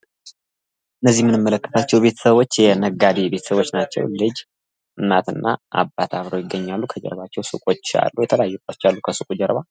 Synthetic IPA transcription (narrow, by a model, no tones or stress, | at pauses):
ʔɨnːəzːihmɨnɨmːələkːə̥t̪ʰat͡ʃːɛwbe̞t̪ʰə̥səβo̞t͡ʃːjɛnəɡːad̪ibe̞t̪ʰə̥səβo̞t͡ʃːnat͡ʃːɛ̰wlɨd͡ʒ | ɨnːat̪ɨnːa̰ʔa̰bat̪ʰaβɾowjɪɡːəɲːalːukʰəd͡ʒɛ̰ɾβat͡ʃːɛwsṵkʼo̞t͡ʃːa̰lːujɛt̪ʰələjajːukʼat͡ʃːalːukʰəsukʼud͡ʒɛɾβa